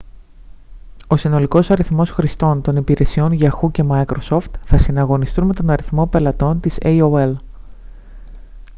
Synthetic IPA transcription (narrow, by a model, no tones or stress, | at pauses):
o̞sino̞liko̞sɐɾiθmo̞sxɾist̪o̞nt̪o̞nipiɾe̞sio̞nʝɐxuce̞mɐikɾo̞so̞ft̪θɐsinɐɣo̞nist̪unme̞t̪o̞nɐɾiθmo̞pe̞lɐt̪o̞nt̪iseioel